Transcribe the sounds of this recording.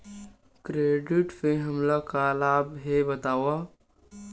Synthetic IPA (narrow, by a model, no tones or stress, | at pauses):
kɾeːɖiʈpẽɦəmlakalaːbɦebət̪aːwa